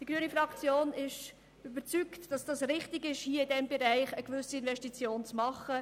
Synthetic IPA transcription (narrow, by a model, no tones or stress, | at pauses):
d̥iɡɾyənifɾɑkt͡sjoːnɪʃ | ybəɾt͡syktd̥ɑsd̥ɑsɾɪχtɪɡɪʃhiəɪdɛmbɛɾæɪχəɡ̥vʏsiɪnvɛʃtit͡sjoːnt͡smɑχə